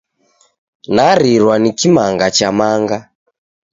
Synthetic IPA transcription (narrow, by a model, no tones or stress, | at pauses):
naɾiɾwanikimaŋɡat͡ʃamaŋɡa